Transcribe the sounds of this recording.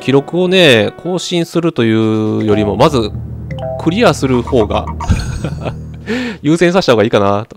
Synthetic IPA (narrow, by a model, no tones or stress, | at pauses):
kʲiɾo̞kɯ̟o̞ne̞kʰo̞ːɕĩɰ̃sɨɾɯ̟t̪o̞jɯ̟ːjo̞ɾʲimo̞mazɨ | kʰɯ̟ɾʲiasɨɾɯ̟ho̞ːɡa̰ | jɯ̟ːsẽ̞s̬aɕi̥t̪ahoɡaiːkanat̪o